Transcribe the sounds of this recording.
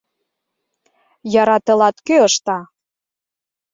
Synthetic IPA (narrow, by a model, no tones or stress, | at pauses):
jɑɾɑt̪ɤ̆lɑt̪køəʃt̪ɑ